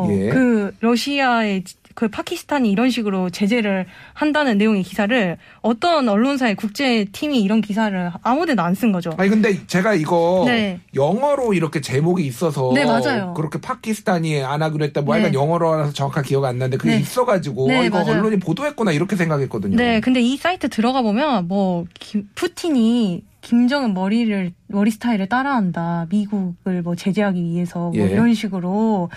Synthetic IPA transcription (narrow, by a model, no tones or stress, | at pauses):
jekɯɾʌɕʰiae̞ | kɯpʰakʰisʰɯ̥tʰaɲiːɾʌnɕʰiɡɯɾot͡ɕe̞d͡ʑe̞ɾɯɭhandanɯnːe̞joŋekisʰaɾɯɭ | ʌt͈ʌnʌɭːons̬ʰae̞kuk̚t͡ɕ͈e̞tʰimiːɾʌnkisʰaɾɯɭamudedans͈ɯnɡʌd͡ʑoaɲikɯnde̞t͡ɕe̞ɡaiɡʌnejʌŋʌɾoiɾʌkʰe̞t͡ɕe̞moɡiːs͈ʌsʰʌne̞mad͡ʑajokɯɾʌkʰe̞pʰakʰisʰɯ̥tʰaɲianaɡɯɾoet͈̚emwoaɡanjʌŋʌɾoɾasʰʌt͡ɕʌŋakʰakiʌɡianːɯnnde̞kɯɡeis͈ʌɡad͡ʑiɡoiɡʌʌɭːoɲipodoɦe̞t̚k͈onaiɾʌkʰe̞s̬ʰe̞ŋɡakiɦe̞k͈ʌdɯɲoe̞kɯnde̞is͈aitʰɯtɯɾʌɣabomjʌnmwʌkipʰutʰiɲikimd͡ʑʌŋɯnmʌɾiɾɯɭmʌɾisʰɯ̥tʰaiɾɯɭt͈aɾaɦandamiɡuɡɯɭmʌt͡ɕe̞d͡ʑeɦaɡiɥiɦe̞sʰʌmoiɾʌnɕ̬ʰiɡɯɾo